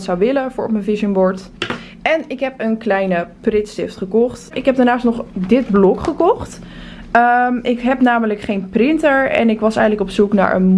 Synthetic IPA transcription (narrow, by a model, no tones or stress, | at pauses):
tsawʋɪləvʊːɹɔ̰pmənvɪsənbɔɹt | ɛnɪkɦɛpənklɛjnəprɪtstɪftχəkɔχtɪkɦɛb̚daɹnaːstnɔχdɪd̚blɔkχəkɔχt | əʔɪkɦɛpnaːmələkχejnprɪntəɹɛ̰nɪkʋɑsɛjələkɔpsukna̰ːɹʔə̰n